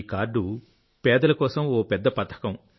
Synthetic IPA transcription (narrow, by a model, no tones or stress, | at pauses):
kaːɾɖu | pɛːd̪ɐlɐkɔːsɐmoːpɛd̪ːɐpɐt̪ʰɐ̥kɐm